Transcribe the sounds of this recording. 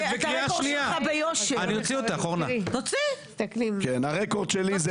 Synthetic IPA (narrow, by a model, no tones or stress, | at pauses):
bekʁiaʃniaabejoʃeaniot͡siot̪aaχoʁnat̪ot͡si | t̪aklimkenaʁekoʁd̪ʃeliz